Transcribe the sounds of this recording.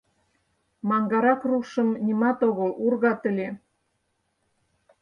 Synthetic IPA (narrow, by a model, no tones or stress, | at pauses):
mɑŋɡɑɾɑkruʃə̆mnʲimɑt̪oɣɤ̆lurɣɑt̪ə̆lʲe